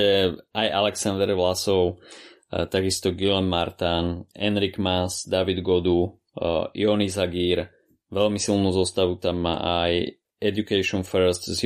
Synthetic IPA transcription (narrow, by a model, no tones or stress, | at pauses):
ɛajalɛksand̪ɛɾʋlasɔʊ | t̪aɡist̪ɔɡilɛmːaɾt̪anɛnɾiɡmasd̪aʋid̪ɡɔd̪u | ḭɔnizaɡiːɾ | ʋɛlmisilˠnuːzɔst̪aʋut̪amːa̰ʔaj | ɛdukɛʃɪɔnfɛɾst̪z